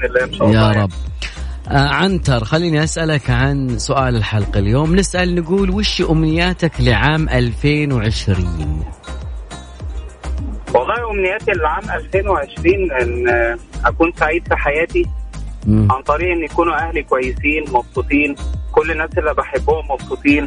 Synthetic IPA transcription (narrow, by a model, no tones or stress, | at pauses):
lænʃɑʔjjɑːɾˤɑbː | ʔʕant̪ɑɾˤxalːiːniʔasʔalakʕansʊʔaːlɪlħɑlqɪljoːmnɪsʔalnɪɡuːlwɪʃiʔʊmnɪjːaːt̪aklɪʕaːmʔalfeːnweʕɪʃɾiːn | wɑlˤːɑːhiʔomnɪjːæːt̪ilʕaːmʔælfeːnweʕeʃɾiːnʔenːʔækuːnsaʕiːd̪fiħajæːt̪i | ʕant̪ˤɑɾiːʔenːjakuːnuʔæhlikowæjːɪsiːnmɑbsut̪ˤiːnkʊlːɪnːæːsʔelːibaħebːʊhʊmːɑbsˤuːt̪ˤiːn